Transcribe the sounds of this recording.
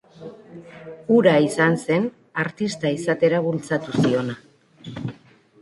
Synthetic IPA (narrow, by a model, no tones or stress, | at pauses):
uɾaisanse̞n | aɾt̪ist̪aisat̪e̞ɾaβult͡sat̪usio̞na